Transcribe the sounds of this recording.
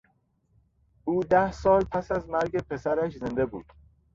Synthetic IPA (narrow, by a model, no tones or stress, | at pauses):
ʔuːd̪æhsɒːlpʰæsæzmæɾɟepʰe̞sæɾæʃze̞nd̪e̞bṵːd̪̥